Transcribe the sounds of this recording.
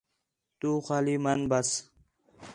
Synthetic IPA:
t̪uːxaːliːmɐnbɐs

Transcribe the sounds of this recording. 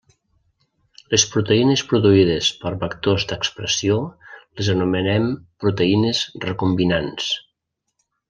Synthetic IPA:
lespɾut̪əinəspɾuðuiðəspəɾβəkt̪ozd̪əkspɾəsioləzənumənɛmpɾut̪əinəzrəkumbinans

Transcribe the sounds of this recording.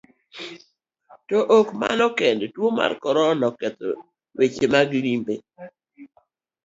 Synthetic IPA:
tɔʔokma̰nɔkɛndtwoma̰rkɔɾɔnɔkɛt̪o̰ | wet͡ʃemaɡlimbe

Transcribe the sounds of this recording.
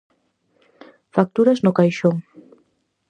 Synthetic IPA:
fak̚t̪uɾɐznʊkajʃoŋ

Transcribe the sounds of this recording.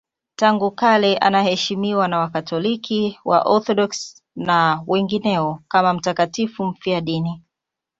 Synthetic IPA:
taŋɡukalɛʔa̰nahɛʃimiwanawakatʰɔlikiwa̰ʔɔθɔɗɔks | nawɛŋɡinɛɔkamam̩takatifum̩fiaɗini

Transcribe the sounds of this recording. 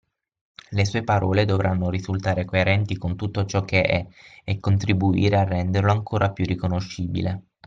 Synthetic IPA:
lesuːepaɾɔːled̪ovɾanːoɾizult̪aːɾekoeɾɛnt̪ikont̪ut̪ːot͡ʃɔk̟ːeʔɛːkːont̪ɾibuḭːɾearːɛnd̪erloaŋkʰoːɾapjurːikonoʃːiːbḭle

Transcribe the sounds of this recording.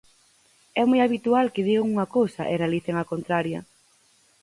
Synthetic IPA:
ɛmojaβit̪ualkɪðiɣaŋuŋɐkowsɐʔɪrealiθeŋakont̪ɾaɾjɐ̰

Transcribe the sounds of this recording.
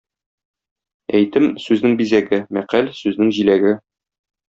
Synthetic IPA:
æjt̪ɘmsʉznɘŋbizæɡɘmæqælsʉznɘŋʑilæɡɘ

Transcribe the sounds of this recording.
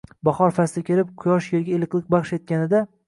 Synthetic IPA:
bɒχɒɾfast̪akʲʰeɾɪp̚qʰʊjɒʃjeɾɡʲaelˠɨqlˠɪk̚ʲbɑχʃet̪̚kʲanɪd̪a

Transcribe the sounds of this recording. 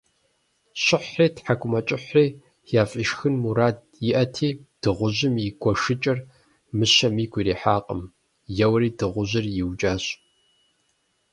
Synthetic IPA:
ɕɪħriːtħakʷʼʊmɐt͡ʃʼɪħʷriː | jaːfʼiʃxɨnmuɾaːd̚ | jɪʔɐtʰiːd̥ɨʁʷʊʑɪmiɡʷɔʂɨt͡ʃʼɐr | mɨɕɐmiːɡʷiɾiːħaːqʼə̰m | jɛwriːdɨʁʷʊʑɪrjɪwt͡ʃʼaːɕʼ

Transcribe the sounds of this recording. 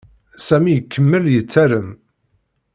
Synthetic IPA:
sæmijəkʰːəmːəljət͡sːæɾəm

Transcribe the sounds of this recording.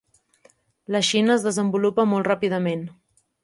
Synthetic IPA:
ləʃinəːzðəzəmbulupəmolˠt̪rapiðəmen

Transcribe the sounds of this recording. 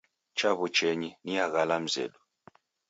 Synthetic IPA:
t͡ʃaβut͡ʃɛɲiniaɣalam̩zɛ̰lu

